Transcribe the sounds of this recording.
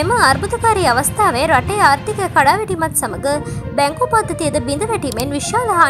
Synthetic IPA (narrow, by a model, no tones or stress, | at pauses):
emɐɐɾbut̪ɐkaːɾijɐʋɐst̪ʰaːʋeɾɐʈːɐjaːɾt̪ikɐkɐɽaːʋeʈimɐt̪sɐmɐɡɯbɛŋkoːpaːd̪ɐt̪ijɐd̪ɯbind̪ɐʋɐʈːimenʋiʂaːlɐɦaː